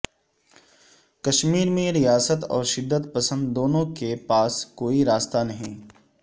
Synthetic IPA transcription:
kɐʃmiːɾmẽɾijaːsət̪ɔ̰ːɾʃɪd̪ːət̪pɐsə̃nd̪ːoːnõkepaːskoːiɾaːst̪anɐɦĩː

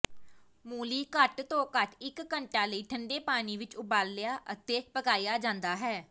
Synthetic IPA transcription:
muːliːkəʈt̪õːkəʈɪkːəɳʈãːləiːʈʰəɳɖeːpaːniːʋɪt͡ʃʊbaːlːɪjaːʔət̪eːpəkaːijaːd͡ʒãːnd̪aːɦɛː

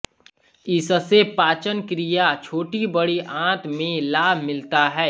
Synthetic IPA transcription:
ɪssepaːt͡ʃənkɾijat͡ʃʰoːʈibəɽiʔãːt̪ʰmẽlaːbʱmɪlt̪aɦɛː

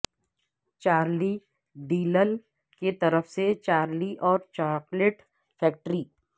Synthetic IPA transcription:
t͡ʃaːɾli | ɖiːləl | ket̪ɐɾəfʰset͡ʃaːɾliʔɔːɾt͡ʃaːɾkleʈ | fʰɛːk̚ʈɾiː

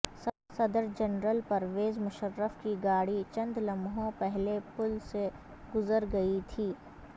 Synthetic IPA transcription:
sɐ | sɐd̪əɾd͡ʒɐnɾəlpɐɾʋeːzmʊʃəɾːəfkiɡaːɽit͡ʃɐ̃nd̪lɐ̃mɦõpɛɦlepʊlse | ɡʊzəɾɡɐit̪ʰiː

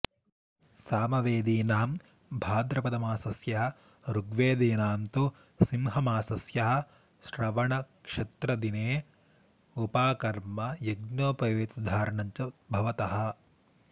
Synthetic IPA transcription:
saːmɐʋeːd̪iːnaːm | bʱaːd̪ɾɐpɐd̪ɐmaːsɐsjɐɦɐ | ɾuɡʋeːd̪eːnaːnt̪u | simɦɐmaːsɐsjɐɦɐ̆ | ʃɾɐʋɐɳɐkʂɐt̪ɾɐd̪ineː | upaːkɐɾmɐjɐɡnoːpɐjeːt̪ɐd̪ʱaːɾɐɳɐɲt͡ʃɐbʱɐʋɐt̪ɐɦɐ̆

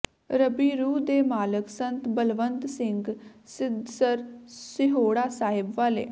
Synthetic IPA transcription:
ɾəbiːɾuːd̪eːmaːləksənt̪bəlʋənt̪sɪŋɡsɪd̪səɾsɪɦoːɽaːsaːɦɪbʋaːlḛː

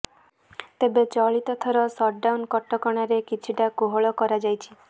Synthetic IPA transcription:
t̪ebet͡ʃɔɭit̪ɔt̪ʰɔɾɔsɔɖawnkɔʈːɔkɔɽ̃aɾekit͡ʃʰiʈakoɦɔɭɔkɔɾad͡ʒajt͡ʃʰi̥

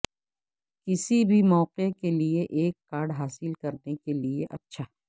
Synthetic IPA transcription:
kɪsibʱimɔːqekelieʔeːkːaːɾɖɦaːsɪlkɐɾnekelieʔɐtːʃʰaː

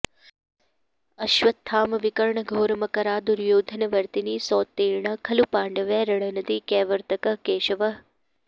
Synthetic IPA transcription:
ɐʃʋɐt̪ʰːaːmɐʋɪkɐɾɳɐɡʱoːɾmɐkɐɾaːd̪uɾjoːd̪ʱənɐʋɐɾt̪iniːsɔːt̪ːeːɾɳɐkʰɐlupaːɳɖɐʋeːɾɐɽ̃ɐnɐd̪iːkeːʋəɾt̪ɐkɐkeːʃɐʋɐɦ

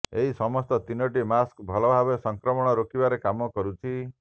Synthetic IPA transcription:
eɦisɔmɔst̪ɔt̪inoʈimaskbʱɔlɔbʱabesɔŋkɾɔmɔɽ̃ɔɾokibaɾekamɔkɔɾut͡ʃʰi

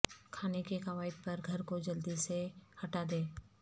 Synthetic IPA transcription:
kʰaːnekekɐʋaːɪd̪̚pɐɾɡʱɐɾkod͡ʒɐld̪isehɐʈad̪ẽː

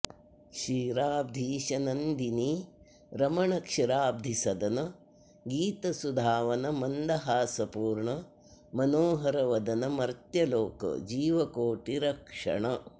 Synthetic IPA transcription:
ʃiːɾaːb̚d̪ʱiːʃɐnɐnd̪ini | ɾɐmɐɳɐkʂiɾaːb̚d̪ʱisɐd̪ɐnɐ | ɡiːt̪ɐsud̪ʱaːʋɐnɐmɐnd̪ɐɦaːsɐpuːɾɳɐ | mɐnoːɦɐɾɐʋɐd̪ɐnɐmɐɾt̪jɐloːkɐ̰d͡ʒiːʋɐkoːʈiɾɐkʂɐ̰ɳɐ

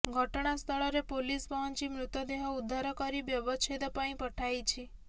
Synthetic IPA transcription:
ɡʱɔʈɳ̃ast̪ʰɔɭɔɾepolispɔʋɔnt͡ʃimɾut̪ɔd̪eɦɔud̪ʱːaɾɔkɔɾibjɔbɔt͡ʃʰed̪pãĩpəʈʰajt͡ʃʰi

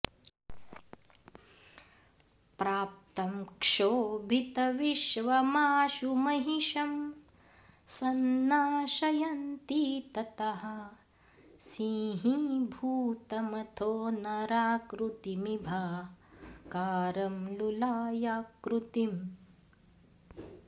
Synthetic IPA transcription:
pɾaːp̚t̪ɐmkʂoːbʱit̪ɐʋiʃʋɐmaːʃumɐɦiʃɐm | sɐnːaːʃɐjɐnt̪iːt̪ɐt̪ɐɦɐ | siːɦibʱuːt̪ɐmɐt̪ʰoːnɐɾaːkɾut̪imibʱa | kaːɾɐmlulaːjaːkɾut̪im

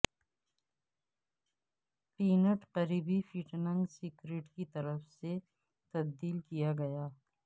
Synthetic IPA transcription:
piːnəʈqɐɾiːbifiʈnɐ̃ŋɡsiːkɾeːʈkit̪ɐɾəfse | t̪ɐbd̪iːlkijaɡɐjaː

